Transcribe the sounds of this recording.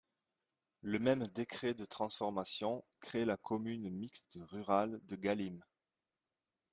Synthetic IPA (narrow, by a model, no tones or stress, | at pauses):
ləmɛmd̪ekχed̪ət̪χɑ̃sfɔʁmasjɔ̃kχelakʰɔmynmikst̪ʁyʁald̪əɡalim